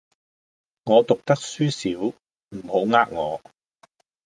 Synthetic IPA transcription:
ŋɔː˨˧t̪ʊ˨k̚t̪ɐ˥k̚syː˥siː˨˥w | m̩˨˩ho˨˥wŋaː˥k̚ŋɔː˨˧

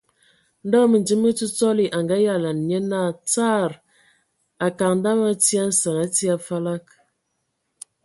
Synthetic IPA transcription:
n̩˦dɔ˦mə˨n˨d͡ʒi˦mə˦t͡su˦t͡sɔ˦li˨ʔa˨ŋɡa˦ja˦˨la˨n˨ɲə˦na˦˨t͡sa˦˨ɾ | a˨ka˨ŋn˦da˦ma˦ti˦a˦n̩˦sə˨ŋa˦ti˦a˦fa˦la˦k̚

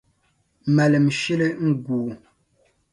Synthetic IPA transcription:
ma˨lə˨mʃi˦le˦ŋ̩˦ɡuː˨

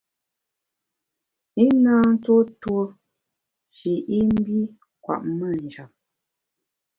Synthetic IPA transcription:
i˦naː˦n̩˦two˦two˦ | t͡ʃi˨ʔi˦m̩˦bi˦ | kwa̰˨ʔmə˦˨n̩˨d͡ʒa˨p̚

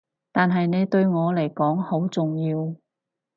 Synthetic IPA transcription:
t̪aː˨nɦɐ˨jne˨˧jt̪ɵ˧ɥŋɔː˨˧le˨˩jkɔː˨˥ŋho˨˥wt͡sʊ˨˩ŋjiː˧w

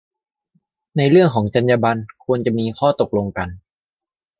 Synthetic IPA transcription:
na˧jɾɯ˥˩əŋkʰɔː˩˦ŋt͡ɕa˧njaː˧ba˧nkʰu˧ənt͡ɕa˨˩miː˧kʰɔː˥˩t̪o˨˩k̚lo˧ŋka˧n

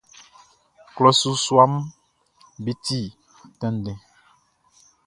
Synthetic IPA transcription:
klɔ˦su˦swa˦m | bi˦ti˦˨ | tɛ̃˦n˨dɛ̃˨

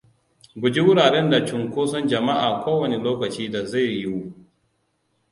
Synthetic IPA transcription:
ɡʷʊ˨d͡ʒi˦wʊ˦ɽaː˨ɾɛ˦nda˨t͡ʃʊ˨ŋkʷoː˦sɔ˦nd͡ʒɐ˨ma˦ʔaː˨kʷoː˦wɐ˨ne˨loː˦kɐ˨t͡ʃiː˦da˨za˦˨jːi˦wu˦

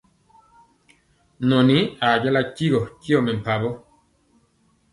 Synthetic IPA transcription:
nɔ˨ni˨˦a˨d͡ʒa˦la˦ki˦ɣɔ˨ki˦ɔ˦˨me˨m̩˨pa˨bɔ˦

